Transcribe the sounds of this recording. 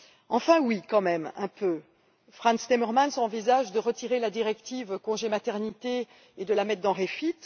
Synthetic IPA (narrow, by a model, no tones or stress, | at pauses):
ɑ̃fɛ̃wikɑ̃mɛmɛ̰̃pø | fχɑ̃nst̪emɛʁmansɑ̃vizaʒd̪əʁət̪iʁelad̪iʁɛkt̪ivkɔ̃ʒemat̪ɛʁnit̪e | ed̪əlamɛt̪̚d̪ɑ̃ʁefit̪